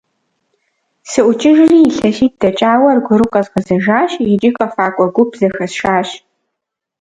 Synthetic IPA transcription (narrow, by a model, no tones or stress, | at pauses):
sɨʔʷʊt͡ʃʼɪʒɪriːɬɐʃiːt̚d̥ɐt͡ʃʼaːwɐrɡʷʊɾɨqʼɐzqɐzɐʒaːɕjɛt͡ʃʼɪxʼɐfaːkʷʼɔɡʷʊpzɐxɐsʃaːɕ